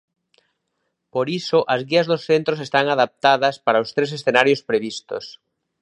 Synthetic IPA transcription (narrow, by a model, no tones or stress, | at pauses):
poɾisoʔazɣiazðosθent̪ɾosest̪aŋaðap̚t̪að̞ɐspaɾaost̪ɾes̬esθenaɾjospɾeβ̞ist̪o̰s